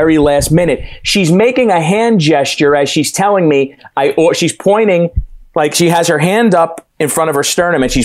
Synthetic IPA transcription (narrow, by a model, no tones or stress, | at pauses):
ɛɹilæst̚mɪ̃nɨt̚ʃizmeɪkɪ̃ŋɨɦæ̃nd͡ʒɛst͡ʃə˞ɨz̥ʃiz̥tʰɛlˠɪ̃ŋmiaɪʔɔʃiz̥pʰɔ̃ɪ̃ɾ̃ɪ̃ŋlaɪkʃiɨz̥ə˞ɦæ̃ndʌp | ɨ̃nfɹʌ̃ɾ̃ʌv̥ə˞stɜ˞nɨ̃mɨ̃nʃi